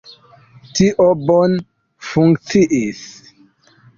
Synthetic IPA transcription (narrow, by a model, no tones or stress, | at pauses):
tiʔobon | fuŋkt͡siʔis